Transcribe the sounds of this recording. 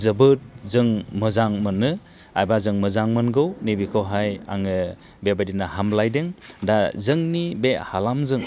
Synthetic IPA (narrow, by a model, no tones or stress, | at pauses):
zɯbɯt̚zɯŋmɯzaŋmɯnːɯ | ajbazɯŋmɯzaŋmɯnɡɯwnibikʰɯwɦaja̰ŋɯ | bebadinaɦamlajdeŋdazɯŋnibehalamzɯŋ